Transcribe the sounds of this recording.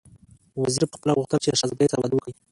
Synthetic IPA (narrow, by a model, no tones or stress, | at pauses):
waziɾapəxpəlaɣʊxt̪əlt͡ʃelaʃazbesaɾwad̪wəkəi